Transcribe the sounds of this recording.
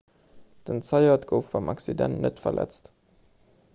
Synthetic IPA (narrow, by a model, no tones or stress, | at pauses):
d̥ənt͡sɑɪɐtɡ̥əʊfb̥ɑɪmʔɑksidɛ̰nnətfɐ̰lʔɛ̰t͡st